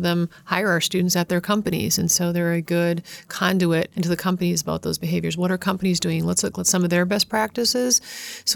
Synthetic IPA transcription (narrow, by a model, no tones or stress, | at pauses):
ðə̃mhaɪə˞ə˞stʉdⁿn̩tsɨt̪̚ðə˞kʰʌ̃mpɨnḭzɨ̃nsoʊðə˞ɨɡʊd̚kʰɑ̃nduɪɾɪ̃ntʉðɨkʰʌ̃mpɨnizəboʊt̪̚ðoʊzbɨɦeɪvjə˞zwʌɾə˞kʰʌ̃mpənizdʉɪ̃ŋlətslʊklətsʌ̃mʌvðə˞bɛs̚pʰɹ̥æk̚tɨsɪz̥s